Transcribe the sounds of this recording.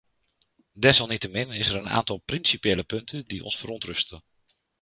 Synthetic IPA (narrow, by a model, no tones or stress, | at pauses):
dɛsɑlˠnitəmɪnɪsəɾəna̰ːntɑlˠprinsipjɪːləpɵntʰəndiʔɔ̰nsfərɔntrɵstən